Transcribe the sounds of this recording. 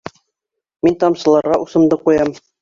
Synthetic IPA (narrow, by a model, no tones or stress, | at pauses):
mint̪ɒmsɤ̆lˠɑɾʁɑʔusɤ̆md̪ɤqujɑm